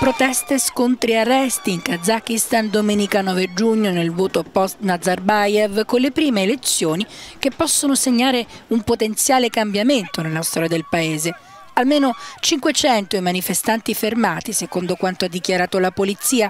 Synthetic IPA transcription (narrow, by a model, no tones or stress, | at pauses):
pɾot̪ɛst̪eskont̪ɾiarːɛst̪iːŋkad̪zak̟ist̪and̪omeːnikanɔːved͡ʒuɲːonelvoːt̪opɔst̪nad̪zarbajɛvkonlepɾiːmeːlet̪sːjoːnikepːɔsːonoseɲːaːɾeumpot̪ent̪sjaːlekambjament̪onelːast̪ɔːɾjad̪elpaeːze | almeːnot͡ʃiŋkwet͡ʃɛnt̪oimanifest̪ant̪ifermaːt̪isekond̪okwant̪oad̪ːikjaɾaːt̪olapolit̪siːa